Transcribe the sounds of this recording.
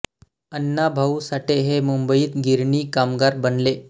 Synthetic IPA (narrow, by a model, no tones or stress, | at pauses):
ənːabʱausaʈeɦemumbəiːt̪ɡʱiɾɳiːkamɡaɾbənle